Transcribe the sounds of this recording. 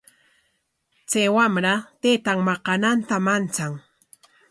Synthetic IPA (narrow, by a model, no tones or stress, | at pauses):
t͡sajwamɾat̪et̪aŋmɑqɑnant̪amant͡saŋ